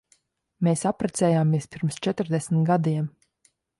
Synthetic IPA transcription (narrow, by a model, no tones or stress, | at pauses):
meːsapɾɛt̪sɛːjaːmiɛspʲiɾmst͡ʃɛt̪ɾd̪ɛsmit̪ɡad̪iɛm